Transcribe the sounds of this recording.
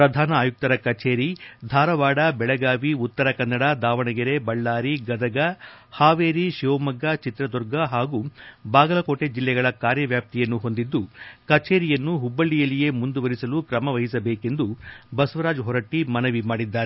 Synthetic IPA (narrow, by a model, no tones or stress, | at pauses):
pɾɐd̪ʱaːnɐaːjuk̚t̪ɐɾɐkɐt͡ʃeːɾid̪ʱaːɾɐʋaːɽɐbɛɭɐɡaːʋiut̪ːɐɾɐkɐnːɐɽɐd̪aːʋɐɳɐɡiɾe̞bɐɭːaːɾiɡɐd̪ɐɡɐhaːʋeːɾiʃimɐɡːat͡ʃit̪ɾɐd̪ɔɾɡɐɦaːɡubaːɡɐlɐkoːʈe̞d͡ʒilːɛɡɐɭɐkaːɾjɐʋjaːp̚t̪ijɐnːuɦond̪id̪ːukɐt͡ʃeːɾijɐnːuɦubːɐɭːijɐlije̞mund̪uʋɐɾisɐlukɾɐmɐʋɐɦisɐbeːke̞nd̪ubɐsʋɐɾaːd͡ʒɦɔɾɐʈːimɐnɐʋimaːɽid̪ːaːɾe